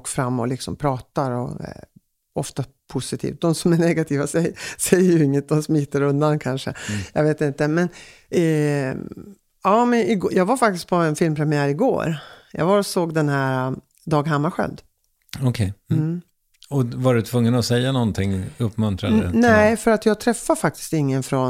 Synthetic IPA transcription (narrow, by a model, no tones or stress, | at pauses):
kːfɾamːɔ̰lɪksɔ̰mpʰɾɑːt̪aɾɔ̰ | ɔft̪a | pʰʊsɪt̪ʰḭːft̪̚d̪ɔmsɔmæɳɛɡat̪ʰiːvasɛjsɛjːəjɵɪŋːət̪̚d̪ɔmsmiːt̪ːəɾɵnd̪ankʰanʂə̰jɑ̰ɡveːt̪ɪnt̪əmɛn | ɑːmɛnɪɡːjɑːɡvaɾfak̚t̪ɪst̪̚pʰɔɛnfɪlmpʰɾɛmɪæːɾɪɡo̰ːɾjɑ̰ːɡvaɾsoːɡd̪ɛnɦæɾa | d̪ɑːɡɦamːaɧœ̰ld̪ | ɔkʰɛjm̩ | ɔvaɖɵt̪ʰvɵŋːənɔsɛjːanɔnt̪ʰɪŋːɵpːmɵnt̪ɾa̰næfœɾat̪jɑːɡ̚t̪ʰɾɛfːafak̚t̪ɪ̥st̪ɪŋːənfɾɔn